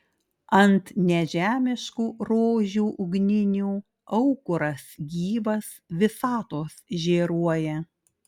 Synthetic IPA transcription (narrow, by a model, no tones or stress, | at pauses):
ɐnt̪nʲɛʒʲæːmʲɪʃkuːɾoːʒʲuːʔʊɡnʲɪnʲuː | ɐʊkʊɾɐsɡʲiːʋɐs | ʋʲɪsɑːt̪oːsʒʲeːɾuɔjɛ